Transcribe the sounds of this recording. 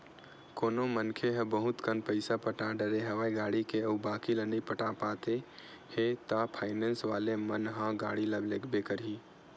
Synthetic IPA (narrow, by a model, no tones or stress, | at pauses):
koːnomənkʰeɦɐ̃bəɦʊt̪kənpəɪsapəʈãɖəɾeɦɐʋaːiɡaːɽikeobaːkilənipəʈapaːt̪e | het̪apʰaːɪnẽːnsʋaːlemənɦãɡaːɽiləbleːkʰbekəɾɦiː